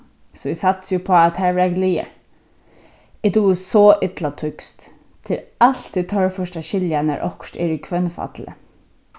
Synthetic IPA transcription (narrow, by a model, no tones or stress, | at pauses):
sɔɪsat̪sjʊpʰɔːat̪hɛɹʋɛɾaɡliːə̰ | ɪd̪uːsɔʔɪt̪lat̪ʰʏkst̪ | t̪ʰɪlalt̪it̪ʰœɹfœʂʈaʃɪljanə̰ɾʔɔ̰hkʃtɛ̰ɹɪkʰʋœnfa̰t̪lə̰